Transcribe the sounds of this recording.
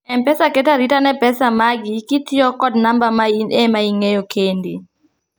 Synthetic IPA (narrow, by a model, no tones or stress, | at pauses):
ɛmpɛsaketaɾitanɛpɛsamaɡɪkɪtjɔkɔdnambamainɛmaiŋejokʰendḭ